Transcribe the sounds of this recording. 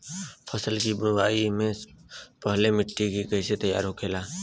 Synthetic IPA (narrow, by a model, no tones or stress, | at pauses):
pʰəsəlkibʊwaːimẽpəɦlemɪʈːikikɐːset̪əja̰ːɾɦokʰeːlaː